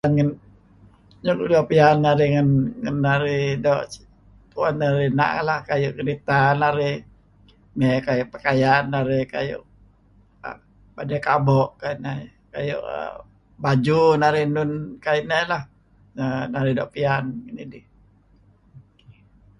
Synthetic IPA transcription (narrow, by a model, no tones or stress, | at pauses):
anŋən | ɲukdɔʔpianːaɾiŋənŋənːaɾidɔʔ | puanaɾina̰ʔlahkajʊʔkəɾit̪anaɾi | mɛkajʊʔpəkajanːaɾika̰jʊ̰ʔ | badakabɔʔkaina | ka̰jṵʔə̰ | bad͡ʒunaɾinʊnkainɛlah | ənaɾidɔʔpianŋənidi